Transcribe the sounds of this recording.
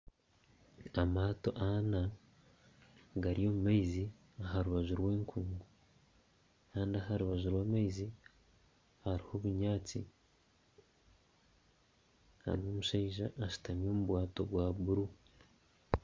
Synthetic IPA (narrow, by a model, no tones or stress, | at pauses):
amaːto̞ʔana | ɡaɾijo̞ːmumaizi | aɦaɾuβaʒuɾwe̞ːŋkʰuːŋɡu | kaːndiaɦaɾuβaʒuɾwaːmaizi | haɾiho̞βuɲaːt͡sḭ | ha̰ɾioːmuʃaiʒaːʃu̥tamjo̞ːmuβwaːto̞ɡwaːβuɾu